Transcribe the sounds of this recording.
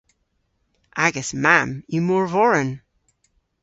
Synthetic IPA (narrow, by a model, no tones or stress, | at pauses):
ʔaɡɛsmæ̃mjɨmɔɹvɔɹə̃n